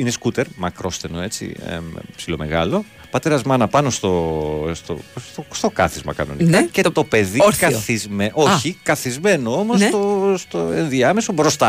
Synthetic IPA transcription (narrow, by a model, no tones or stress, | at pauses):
ineskut̪e̞ɾmɐkɾo̞st̪eno̞e̞t͡sḭmpsilo̞̰me̞ɣɐlo̞ | pɐt̪e̞ɾɐzmɐnɐpɐno̞st̪ost̪o̰t̪ost̪o̞kɐθizmɐ̰kɐ̰no̞̰nikɐcet̪o̞peðikɐθizmeʔo̞çikɐθizme̞no̞omost̪ost̪oe̞nðiɐme̞sobɾo̞st̪ɐ